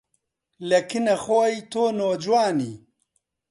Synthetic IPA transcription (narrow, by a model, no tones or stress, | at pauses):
lɐkinɐxoːjt̪oːnoːd͡ʒwaːniː